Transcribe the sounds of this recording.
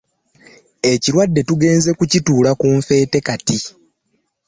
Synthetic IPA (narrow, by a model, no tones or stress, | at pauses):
e̞ciɾwadːe̞tuɡe̞ːnze̞kucituːlakuɱfe̞ːte̞kati